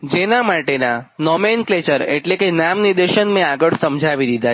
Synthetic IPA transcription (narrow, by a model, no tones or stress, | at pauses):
d͡ʒenamaʈenanɔmenklet͡ʃəɾeʈlekenamnid̪eʃənmẽaɡəɭsəmd͡ʒʱaʋid̪id̪ʱa